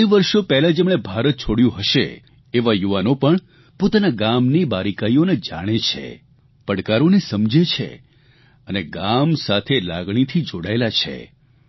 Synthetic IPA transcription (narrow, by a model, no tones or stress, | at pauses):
iʋəɾʃopɛɦlad͡ʒemɽ̃ebʱaɾət̪̚t͡ʃʰoɽjũɦəʃḛː | ʋajuʋanopəɳ | pot̪anaɡamnibaɾikaioned͡ʒa̰ɽ̃et͡ʃʰḛ | pəɽkaɾonesəmd͡ʒet͡ʃʰḛ | əneɡamsat̪ʰela̰ɡɽ̃it̪ʰid͡ʒoɽaelat͡ʃʰḛ